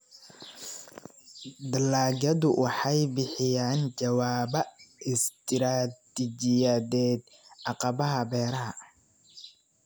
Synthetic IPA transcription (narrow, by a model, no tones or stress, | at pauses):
d̪ɐlaːɡɐðʊwʔɑħɑjbɪħɪjaːnd͡ʒɐwaːbɐɪst̪ʰɪɾaːt̪id͡ʒɪjɐðɛːd̪ | ʔɑqɑbɐɦɐbɛːɾɐɦɐ